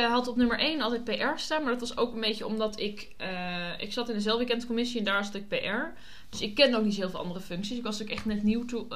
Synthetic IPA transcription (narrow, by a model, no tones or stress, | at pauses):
ɦɑlˠtɔpnɵməɹʔejnɑlˠtɛt̚pejʔɛɹstaːnmaɹdɔtʋɑso̰wkənbejcəɔ̰mdɑtɪk | əʔɪksɑtɪndəzɛlˠfʋikɛndəkomɪsiɛndaːɹsɑtɪk̚pejʔɛɹ | d̥øsɪkːɛnowk̚nit̬ɦɪːlˠfɪlˠɑ̰ndərəfɵŋksisɪkʋɑskɛχtnɛtniwtu